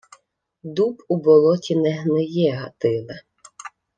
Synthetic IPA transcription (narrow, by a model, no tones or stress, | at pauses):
d̪upubɔlˠɔtʲinɛɦnɪjɛɦɐt̪ɪlˠɐ